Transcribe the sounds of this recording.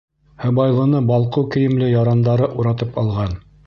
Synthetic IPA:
hɤ̆bɑjlˠɤ̆nɤbɑlˠqɤwkɘ̆jɘ̆mlɘjɑɾɑnd̪ɑɾɤʔuɾɑt̪ɤpɑlˠʁɑn

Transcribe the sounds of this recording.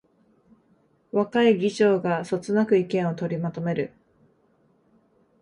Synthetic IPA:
βakaiɡʲiʑo̞ːɡaso̞t͡sɨnakɯ̟ikẽɰ̃o̞t̪o̞ɾʲimat̪o̞me̞ɾɯ̟

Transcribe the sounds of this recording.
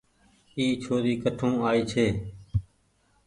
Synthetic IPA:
iːt͡ʃʰoːɾiːkəʈʰũːaːiːt͡ʃʰeː

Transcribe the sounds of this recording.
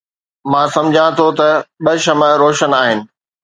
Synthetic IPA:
mãːsɐ̃md͡ʑʱãt̪ʰot̪ɐɓɐʃɐməɾoːʃənaːɦɪnɪ̆

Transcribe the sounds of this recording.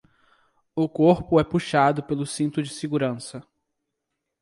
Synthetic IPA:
ʊkoɾpʊɛpuʃad̪ʊpelʊsĩnt̪ʊd͡ʒɪseɡuɾɐ̃sɐ

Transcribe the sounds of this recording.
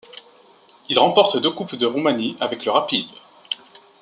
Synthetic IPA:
ilʁɑ̃pɔʁt̪d̪økupd̪əʁumaniavɛkləʁapid̪

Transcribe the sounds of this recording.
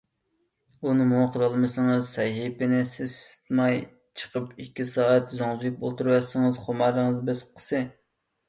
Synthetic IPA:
unɨmuwqʰəɾɑlˠmɨsɨŋɨzsɛjɦipɪnɪsɪzsɪ̥t̪mɑj | t͡ʃʰə̥qʰəpikʲːisɑːɛt̪zoŋzk̚o̰lˠt̪uɾwɛsɨŋɨzχomɑɾɨŋɨzbɪsqʰə̥sɨ

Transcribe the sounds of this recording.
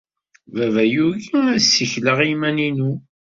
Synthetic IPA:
vævæjuʝiæsːiçləʁimæninu

